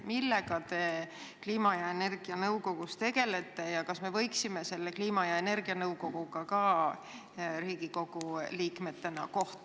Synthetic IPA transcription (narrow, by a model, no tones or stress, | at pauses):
milːe̞ɡ̥ɑt̪e̞ | kliːmɑjɑene̞rɡ̥iɑnɤwko̞ɡust̪e̞ɡ̥e̞le̞t̪ːˑe̞jɑkɑsme̞vɤ̞jksime̞se̞lːe̞kliːmɑjɑene̞rɡ̥iɑnɤwko̞ɡ̥uɡɑkɑ | riːɡ̥iko̞ɡ̥uliːkme̞t̪ːe̞nɑ̰ko̞ht̪